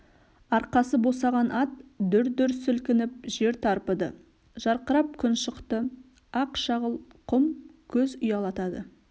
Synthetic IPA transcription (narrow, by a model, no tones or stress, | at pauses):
ɑɾqɑsəbo̞sɑʁɑnʔɑt̪d̪ʏɾd̪ʏɾsʏlkʲɪnɪp̚ʒe̞ɾt̪ʰɑɾpəd̪ə̰ | ʒ̥ɑɾqəɾɑp̚kʲʰʏnʃəqt̪ə | ɑqʃɑʁəlˠqʰʊmkʲʰɵzʊjɑlˠɑt̪ɑd̪ə